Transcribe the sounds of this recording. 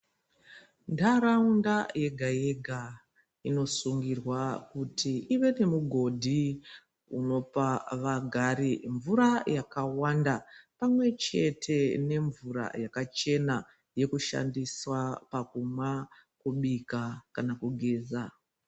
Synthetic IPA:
ndaɾaundaje̞ɡʱaje̞ɡʱa | ino̞suŋɡirwakutiiʋe̞ne̞muɡʱo̞dʱi | uno̞paʋaɡʱaɾiɱvuɾajakawandapamwe̞t͡ʃe̞tʰe̞ne̞ɱvuɾa̰jakat͡ʃe̞na | je̞kuʃa̰ndiswapakumwa | kuɓikakanakuɡʱeːza

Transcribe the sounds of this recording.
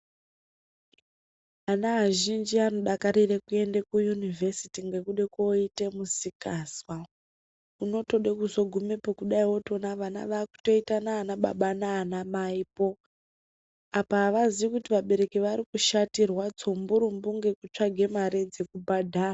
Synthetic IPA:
anaɦaʒind͡ʒiano̞ɗakaɾirekue̞ndekujunivʱe̞sitiŋɡe̞kuɗekoite̞musikaswa | uno̞to̞ɗekuzo̞ɡʱumepokuɗaiwo̞to̞naʋana̰ʋaːku̥to̞itanaːnaɓa̰ɓanaːnamaipo̞ | apaːʋaziʋikutiʋaɓe̞ɾe̞kiʋaɾikuʃatirwat͡sombuɾumbuŋɡe̞kut͡ʂaɡʱe̞maɾed͡ze̞kubʱadʱaːra

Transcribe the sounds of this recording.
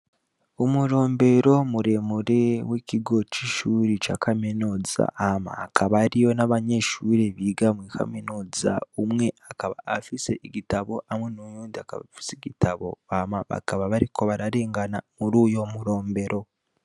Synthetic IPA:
omuɾo̞ːmbe̞ɾo̞muɾe̞muɾeweciɡo̞t͡ʃiʃuɾet͡ʃa̰ːkʰamenoza̰ʔama̰ːkaβaɾijo̞naβaɲe̞ʃuɾeβiːɡamwiːkʰa̰menoza̰umŋe̞akaβa̰ːfiseiɡitaβo̞ʔamwe̞nojuːndiaka̰βa̰fi̥seɡitʰaβo̞̰amaβa̰kaβaβaɾikʰo̞βaɾaɾe̞ːŋɡanamuɾuːjomuɾo̞ːmbe̞ɾo̞

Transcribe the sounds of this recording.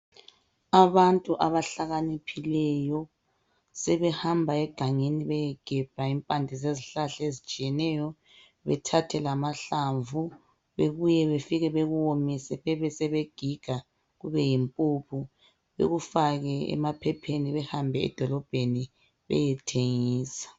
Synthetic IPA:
aβantʼuʔaβaɬaɣanipʰilɛjɔ | sɛβɛhambʱaɛɡ̥ʱaŋeniβɛjɛɡ̥ʱɛb̥ʱaimpʼandʱizeziɬaɬaezit͡ʃʼijɛnɛjɔ | βɛ̰tʰatʰɛlamaɬaɱvu | βeɣujɛβefiɣɛβeɣuwomisɛβɛβɛsɛβeɡ̥ʱiɡ̥ʱa | ɣuβɛjimpʼupʰu | βḛɣufaɣɛɛ̰mapʰɛpʰeniβɛhambʱɛɛ̰d̥ʱɔlɔb̥ʱeni | βɛ̰jɛtʰeŋiːsḁ

